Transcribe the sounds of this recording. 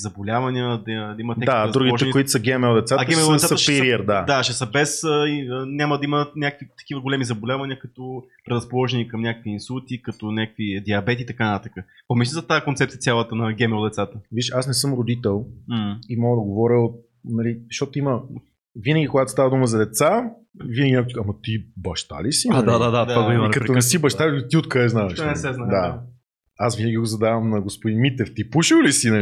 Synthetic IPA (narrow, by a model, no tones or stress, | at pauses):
zɐbolʲavɐniəd̪ɐd̪ɐimɐt̪ɛd̪aaɾuɡiɔʒɛnikoit̪o̥səɡʲɛmɛlˠd̪ɛt̪satɐɡ̪ɛmɛd̪ɛaɐʃiɾiɛɾd̪ad̪aʃɛsəbɛsəiənʲaməd̪ɐimənʲakə̥kvit̪ɐ̥k̟ivəɡolɛmizɐbolʲavɐnʲiəkɐt̪ɔpɾɛdɾɐspolˠɔʒɛnikɐmnʲakəkvʲiːnsulˠt̪ikɐt̪ɔnʲakəkvid̪iɐbɛt̪̬iːt̪ɐkanət̪at̪akə | pomis̬lʲizɐt̪akont̪sɛp̚t̪ijət̪ʲjalˠət̪ənɐɡʲɛmɛlˠd̪ɛt̪sat̪əviʃasnɛsɤmɾod̪it̪ɛl̩ˠimɔɡəd̪ɐɡovɔɾʲəot̪̚ | nɐlizʃt̪ɔt̪oimə | vinəɡʲikoɡat̪o̥st̪avɐd̪uməzɐd̪ɛt̪sa | vinəɡʲinʲakɐmɐt̪ibɐʃt̪a̰lisid̪ad̪ad̪at̪vaɡoimɐkəɐonɛsibɐʃt̪ait̪iot̪kaɛznaɛʃʃnɛsɛznad̪a | asvinəɡʲiɡozɐd̪avɐmnɐɡospod̪inmit̪ɛft̪ipuʃiwlisinɐl